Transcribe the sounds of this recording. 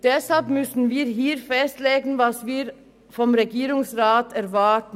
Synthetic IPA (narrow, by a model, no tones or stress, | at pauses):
d̪̥ɛshɑlpmʉsn̩ʋiːɾɦiːɾfɛst̪leːɡn̩ʋɑsʋiːɾ | fɔmɾɛɡiːɾʊŋsɾɑːt̪ʰæɾʋɑːʈn̩